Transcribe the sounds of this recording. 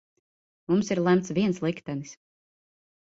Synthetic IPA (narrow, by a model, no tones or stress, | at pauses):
mumsiɾlˠæmt̪sviɛnslˠikt̪ɛnis